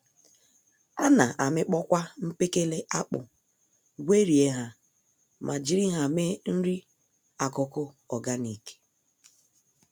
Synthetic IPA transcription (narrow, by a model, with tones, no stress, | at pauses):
a˦na˨ʔa˨mɪ˦k͡pɔ˦kʷa˦m̩˦pe˦ke˦le˦ʔa˦k͡pʊ̰˨ | ɡʷe˦ɾi˨e˦ɦa˨ | mʔa˨d͡ʒi˦ɾi˦ɦa˨me˦n̩˦ɾi˦ | a˨kʊ˨kʊ˦ | ɔ˨ɡa˦ni˨ke̥˦